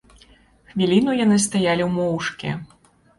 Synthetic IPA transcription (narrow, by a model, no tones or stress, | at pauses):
xvʲilʲinujanɨst̪ajalʲiwmɔwʂkʲḭ